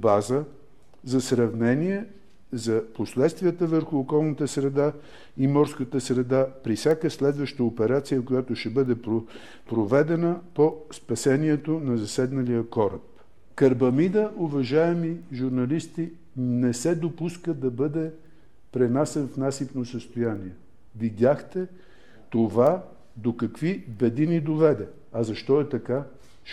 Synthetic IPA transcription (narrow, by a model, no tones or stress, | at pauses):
bazə | zɐsɾɐvnɛniɛ | zɐposlɛt̪st̪vijət̪əvəɾxuːkɔlˠnət̪əsɾɛd̪a | imɔɾskət̪əsɾɛd̪apɾifsʲakəslɛd̪vəʃt̪əopɛɾat̪sijəkojat̪oʃɛbɤd̪ɛpɾo | pɾovɛd̪ɛnəpospɐsɛniɛt̪onɐzɐsɛd̪nɐlijəkɔɾəp | kɐɾbɐmid̪əʔʊvɐʒaɛmiʒuɾnɐlist̪i | nɛsɛd̪opuskəd̪ɐbɤd̪ɛ | pɾɛnasɛnfnasipnosəst̪ojaniɛ | vid̪ʲaxt̪ɛ | t̪ova | d̪okɐkvibɛd̪inid̪ovɛd̪ɛ | ɐzɐʃt̪ɔɛt̪ɐka